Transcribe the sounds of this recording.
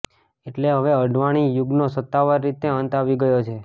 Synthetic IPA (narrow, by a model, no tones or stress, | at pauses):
eʈleɦəʋeəɖʱʋaɽ̃ijʊɡnosət̪ːaʋaɾːit̪eənt̪aʋiɡəjot͡ʃʰe